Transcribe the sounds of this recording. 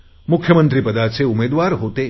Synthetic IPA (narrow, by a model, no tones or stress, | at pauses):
mʊkʰjəmənt̪ɾipəd̪at͡ʃʰeumed̪ʋaɾɦot̪e